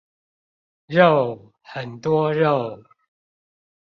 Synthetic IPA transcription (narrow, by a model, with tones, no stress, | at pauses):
ɻo˥˨ʊ | hə˨˩nt̪wɔ˦ɻo˥˨ʊ